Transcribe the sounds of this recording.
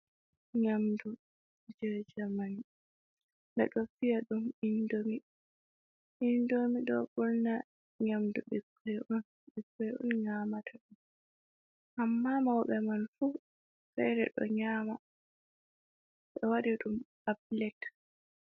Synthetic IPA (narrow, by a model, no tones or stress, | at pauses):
ɲamdu | d͡ʒɛɾd͡ʒamani | bɛ̰ɗɔfijaɗumindomi | ʔindomiɗɔbɔlna | ɲamduɓikʰːɔjʔɔn | ɓikːɔjʔɔ̰nɲaːmatʰaɗum | ʔamːamawɓɛmanfu | fɛ̰ɾɛ̰ɗɔ̰ɲaːma | ɓɛwaɾiɗum | ablɛt